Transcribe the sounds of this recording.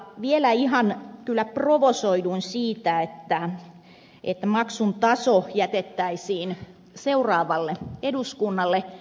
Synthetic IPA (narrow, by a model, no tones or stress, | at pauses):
ʋielæihɑnkylːæproʋosoiduinsiːt̪æet̪ːæ | ʔet̪ːæmɑksunt̪ɑsojæt̪et̪ːæisiːn | seurɑːʋɑlːeeduskunːɑlːe